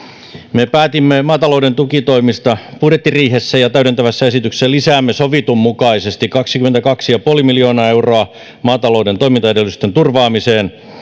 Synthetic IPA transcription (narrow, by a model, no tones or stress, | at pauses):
mepæːt̪imːemɑːt̪ɑloude̞nt̪ukit̪o̞imist̪ɑpuɾet̪ːiriːɦesːæjɑt̪æyɾent̪æʋæsːæesit̪ykseselisæːmːesoʋit̪umːukɑisest̪ikɑksikyment̪ækɑksijɑpuolimiljoːnɑeuroɑ | mɑːt̪ɑloude̞nt̪oimint̪ɑedelyst̪ent̪urʋɑːmiseːn